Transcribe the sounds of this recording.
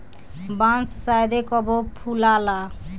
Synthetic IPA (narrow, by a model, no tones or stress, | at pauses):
bãnssajd̪ekɔbopʰulala